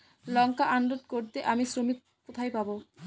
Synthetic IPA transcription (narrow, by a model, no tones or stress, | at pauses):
lɔŋkaʔanɾod̪koɾt̪eʔamisɾomik̚ | kot̪ʰajpabo